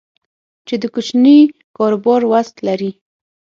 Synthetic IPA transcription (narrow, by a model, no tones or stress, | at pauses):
t͡ʃed̪əkʊt͡ʃni | kɑɾobɑɾwast̪laɾi